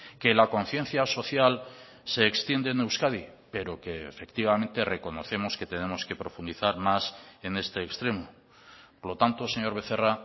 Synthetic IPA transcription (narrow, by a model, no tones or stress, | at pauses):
ke̞lako̞n̟θje̞n̟θjaso̞θjal | se̞ːkst̪je̞nd̪enewskaði | pe̞ɾo̞keefe̞kt̪iβamẽ̞nt̪e̞re̞ko̞no̞̰θe̞mo̞ske̞t̪e̞ne̞mo̞ske̞pɾo̞fund̪iθaɾmase̞ne̞st̪eːkst̪ɾe̞mo | poɾlo̞t̪ant̪o̞se̞ɲo̞ɾβe̞θe̞ra